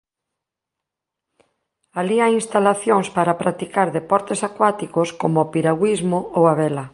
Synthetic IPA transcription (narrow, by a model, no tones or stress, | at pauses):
aliajinst̪alaθjoŋspaɾapɾʔat̪ikaɾðepɔɾt̪esakwat̪ikoskomoʊpiɾaɣwizmoowaβɛlɐ